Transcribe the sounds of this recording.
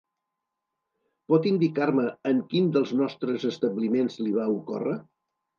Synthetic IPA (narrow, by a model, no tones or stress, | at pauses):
pɔt̪ind̪ikaɾməːŋkind̪əlˠznɔst̪ɾəzəst̪əβlimenzliβ̞aukɔ̰rə